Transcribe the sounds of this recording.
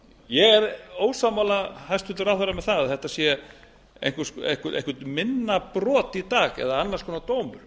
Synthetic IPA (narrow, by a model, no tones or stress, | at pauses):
jɛɣɛɾoːwsawmawlahajst̪fɪnt̪ʏɾaθɛɾamɛðθaðθɛht̪asjɛ | ḛjŋkʏsḛ̥kʏḛŋkʏt̪mɪnːapɾɔːt̪it̪aːɣɛ̰ðaanːḁrskʰɔːnat̪oːwmʏɾ̥